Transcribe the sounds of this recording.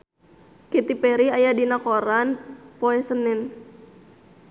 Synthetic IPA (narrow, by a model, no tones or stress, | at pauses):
kɛt̪ipɛɾiajadinakoɾanpoɛsənɪn